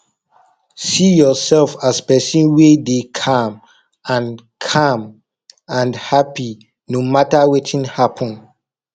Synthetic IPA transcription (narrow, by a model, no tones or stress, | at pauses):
sijɔsɛlfaspɛsĩnwedekʰãm | ãn | kʰãm | ãnhapi | nomatawɛtʰĩnhapʰə̃n